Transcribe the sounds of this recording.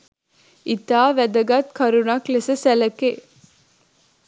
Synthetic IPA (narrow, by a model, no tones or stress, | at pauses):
it̪aːʋæd̪əɡat̪kʰɐɾunaklesəsæləke